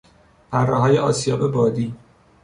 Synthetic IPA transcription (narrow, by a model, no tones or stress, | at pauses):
pʰærːɛɦɒːjeɒːsijɒːbebɒːd̪iː